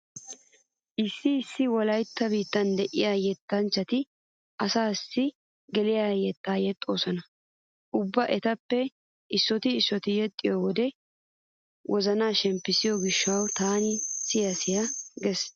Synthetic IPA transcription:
ʔɪsːɪːsːɪwɔlɐjt̪ːɐbiːt̪ːɐnd̪ɛʔɪ̰jaːjɛt̪ːɐnt͡ʃːɐt̪ɪ | ʔɐsaːsːɪ | ɡɛlɪjaːjɛt̪ːaːjɛt̪ʼːo̞ːsɔnɐ | ʔʊbːɐʔɛt̪ɐpːɛ | ɪsːɔt̪ɪːsːɔt̪ɪjɛt̪ʼːɪjɔwɔd̪ɛ | wʔɔzɐnaːʃɛmpːɪsɪjɔɡɪʃːɐwt̪aːnɪsɪjɐsɪjɐɡɛs

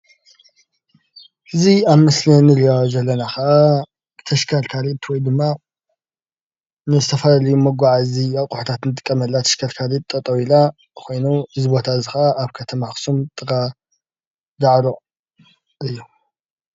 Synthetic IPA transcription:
hɨziaβmɐslɐnɨɾijozɐlːɐnaxɐʔa | t̪ʰɐʃkʰaɾkʰaɾit̪ʰwɔjd̪ɨmːa | nɨzɨt̪ʰɐfɐlalɐjumɐɡʷaʕaziaqʼʊħt̪ʰat̪nɨt̪ʼɨ̥kʼːɐmɐlːat̪ʰɐ̥ʃkʰɐɾkʰaɾitt̪ʼːɐt̪ʼɐwila | kʰo̞jnuʔɨzibo̞t̪ʰazɨxaʔaːβkʰɐt̪ʰɐmaxsumt̪ʼɨɡʼa | zaʕɾo | ɨjːu

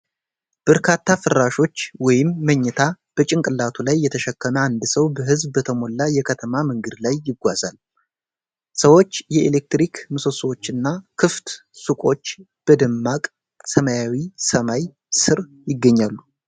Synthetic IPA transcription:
b̥əɾkʰat̪ːafɨrːaʃo̞t͡ʃːwɔjɪmːəɲːɛt̪ʰa | b̥ət͡ʃʼɪŋkʼɨlːat̪ʰulajːɛt̪ʰəʃɛkʰːəməand̪səwbəɦɨzbbət̪ʰəmo̞lːajɛkʰət̪ʰəmamɨŋɡɨd̪lajːɪɡʷazal | səwo̞t͡ʃːjɛelek̚t̪ɾikmɨso̞swot͡ʃːɨnːakʰɨft̪ | sukʼo̞t͡ʃː | b̥əd̪ɨmːakʼ | səmajawisəmaj | sɨɾ | jɪɡːəɲːalːu

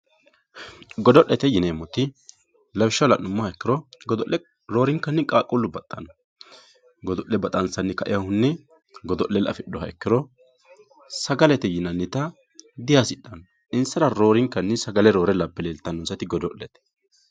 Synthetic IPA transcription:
ɡɔd̪ɔʔɛt̪ɛjɪneːmːɔt̪ːɪ | lɐwɪʃːɐwlɐnʊmːɔhɐɛkːɪɾɔɡd̪ɔʔɛ | ɾoːɾɪŋkːɐnːɛkʼaːkʼʊlːʊbɐt̪ʼːɐnɔ | ɡɔd̪ɔʔlɛbɐt̪ʼɐnsɐnːɛkɐʔɪ̰jɐhʊnːɛ | ɡɔd̪ɔʔlɛlɐ̰fɪɗːɔɦɐɛkːɪɾɔ | sɐɡɐlɛt̪ɛjɪnɐnːɪt̪ɐ | d̪ɪjasɪɗːɐn | ɪnsɐɾɐɾo̞ːɾɪŋkːɐnːɛsɐɡɐlɛɾo̞ːɾɛlɐpːɛleːlt̪ːɐnːɔnsɐt̪ɪɡɔd̪ɔʔːɛt̪ɛ̥

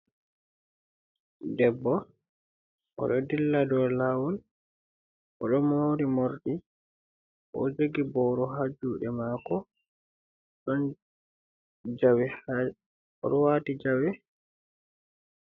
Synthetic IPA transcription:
dɛbːɔ | ʔɔ̰ɗɔdilːadɔlawɔn | ʔɔ̰ɗɔmoɾimoɾɗi | ʔɔ̰d͡ʒeɡibɔɾɔɦad͡ʒuːɗɛmaːkɔ | ɗɔn | d͡ʒawɛ | ɔɗɔwatid͡ʒawɛ

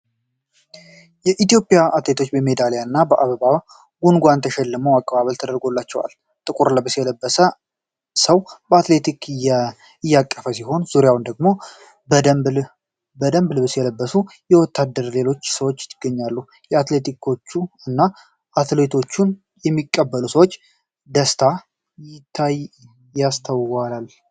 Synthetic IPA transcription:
jɛʔit̪jo̞pʼjaʔat̪le̞t̪ʰo̞t͡ʃːbəme̞d̪alejanːabəʔaβəβaw | ɡunɡʷant̪ʰəʃɛlːɨməwakʼːəβaβəlt̪ʰəd̪əɾɡo̞lːat͡ʃːɛwa̰l | t̪ʼɨkʼuɾləbəsjɛləbːəsə | səwbəat̪le̞t̪ik | ɨjːakʼːəfəsiɦo̞nz̥uɾjawnd̪əɡmo̞ | bəd̪əmbl | bəd̪əmblbɨsjɛləbːəsujɛwɔt̪ʰːad̪ːəɾle̞lo̞t͡ʃːsəwo̞t͡ʃːɪt̪ʰːɨɡ̥ːəɲːalːu | jɛat̪le̞t̪ʰikʰo̞t͡ʃːuɨnːa | ʔat̪le̞t̪ʰo̞t͡ʃːun | jɛmːikʼːəbːəlusəwo̞t͡ʃː | d̪əst̪ʰa | jɪt̪ʰːaj | jast̪ʰəwwalal

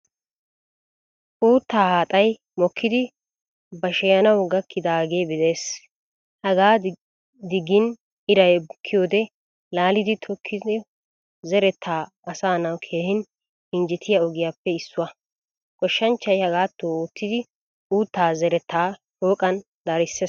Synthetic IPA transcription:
ʔuːt̪ːaːhaːt̪ʼɐj | mɔkʰːɪd̪ɪ | bɐʃɛjɐnɐwɡɐkʰːɪd̪aːɡeːbɪd̪eːs | hɐɡaː | d̪ɪɡɪn | ɪɾɐjkʰːɪjoːd̪ɛ | laːlɪd̪ɪt̪ʰɔkʰːɪɪ | zɛɾɛt̪ʰːaː | ɐsaːnɐwkʰe̞ːhɪn | ɪnd͡ʒɪt̪ʰɪjaɔɡɪjaːpːɛɪsːʊwɐ | kʼɔʃːɐnt͡ʃːɐjhɐɡaːt̪ːoːoːt̪ːɪd̪ɪ | ʔuːt̪ːaːzɛɾɛt̪ːaː | hoːkʼɐn | d̪̥aɾɪsːe

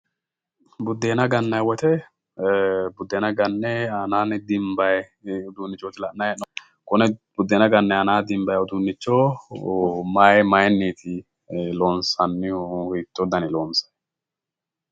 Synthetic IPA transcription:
bʊd̪ːeːnɐɡɐnːɐjwɔt̪ɛ | bʊd̪ːeːnɐɡɐnːɛɐnaːnɪd̪ɪmbɐjɛ | ʊd̪uːnːɪt͡ʃːoːt̪ɪlɐʔnɐjn | kʊnɛbʊd̪ːeːnɐɡɐnːɛhɐnaːd̪ɪmbɐjɔd̪unːɪt͡ʃːoː | mɐjmɐjɛnːiːt̪ʰɪ | loːnsɐnːɪhʊjt̪ːɔd̪ɐnɪloːnsɐ̥j

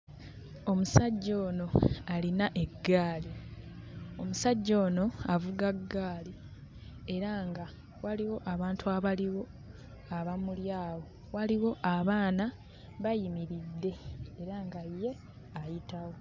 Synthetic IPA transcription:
o̞musaɟːo̞ːno̞alinaʔe̞ɡːaːli | o̞musaɟːo̞ːno̞avuɡaɡːaːli | e̞ɾaŋɡa | waliwo̞ʔaβaːntuaβaliwo̞ | aβamuljaːwo̞ | waliwo̞ʔaβaːna | βajimiɾid̪ːe̞ːɾaŋɡajːe̞ | ajitawo̞

